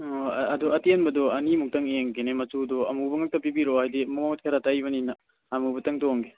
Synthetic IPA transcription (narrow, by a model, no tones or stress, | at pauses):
ɐdɔɐtenbɐdɔɐnimuk̚tɐŋeŋɡenemɐtudɔɐmubɐŋɐk̚tɐpibiɾohajdimɔat̚kʰaɾatajβɐninɐː | mubɐtɐŋtoŋɡe